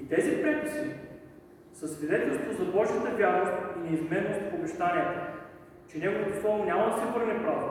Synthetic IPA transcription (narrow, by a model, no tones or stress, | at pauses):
it̪ɛzipɾɛpisi | sɐsvid̪ɛt̪ɛlˠst̪vozɐbˠɔʃət̪ɐbʲjaɾofinɛizmɛnost̪pobɛʒt̪anʲiət̪ə | t͡ʃɛnʲaɡolkəfɔmnʲamɐd̪ɐsɛvɤɾnɛpɾaf